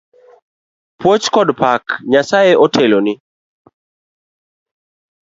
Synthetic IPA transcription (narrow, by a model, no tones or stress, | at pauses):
pwot͡ʃkɔdpakɲasaeʔɔtʰɛlonɪ